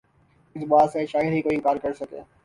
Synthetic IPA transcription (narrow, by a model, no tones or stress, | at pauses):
ɪsbaːseʃaːɦəd̪ɦikoːiɪ̃ŋkaːɾkɐɾsɐkḛː